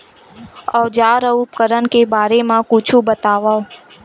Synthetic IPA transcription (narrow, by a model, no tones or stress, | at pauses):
əd͡ʒaɾəup̚kəɾənkebaːɾemãkũt͡ʃʰũbət̪aʋa